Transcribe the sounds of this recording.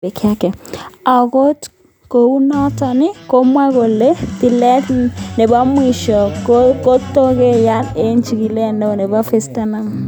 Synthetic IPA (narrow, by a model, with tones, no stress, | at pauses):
e˨kʰa˦kɛ˨a˨ko˦t | ko˨u˦nɔ˦ta˨nɪ˦ko˦mwa˦ko˨le˦ti˨lɛ˦tne˨ba˦mwi˨ʃɔ˨oko˦tːo˦ke˦ja˦ne˦nt͡ʃi˨ɡi˨lɛ˦˨no˦˨nɛ˨ba˦fe˦sta˦na˦ŋ